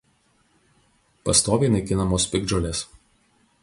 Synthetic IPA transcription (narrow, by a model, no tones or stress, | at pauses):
pɐst̪oːʋʲɛːnɐɪkʲɪnɐmoːspʲɪɡd͡ʒolʲeːs